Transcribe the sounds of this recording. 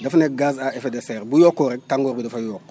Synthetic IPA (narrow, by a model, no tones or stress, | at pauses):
dɐfneɡaːzaefedeseɾbujokːoɾek̚taŋɡoɾbidɐfajoːkː